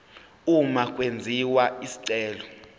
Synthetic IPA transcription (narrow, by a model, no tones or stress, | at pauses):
umakʼwend͡zʱiwaisi̥ǀɛːlɔ